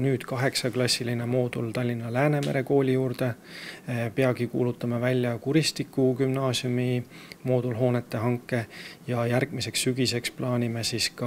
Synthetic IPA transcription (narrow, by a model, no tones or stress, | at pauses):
nyːd̪̥kɑɦe̞ksɑklɑsʲːiline̞mo̞ːd̪̥ult̪ɑlʲːinːɑlæːne̞me̞̰ɾe̞ko̞ːlʲijuːɾd̪e̞ | peɑɡ̥ikṵːlut̪ːˑɑmɑvælʲːjɑkuɾist̪ikːˑukymnɑːsjumimo̞ːd̪̥ulɦoːne̞t̪ːe̞ɦɑŋkːˑe̞jɑjærɡ̥mise̞ksːyɡise̞ksplɑːnʲime̞siskɑ